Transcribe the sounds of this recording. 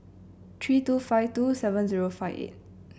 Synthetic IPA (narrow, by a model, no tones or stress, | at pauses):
tʰɾitupʰajtusebɛnziɾopʰajbḛt̚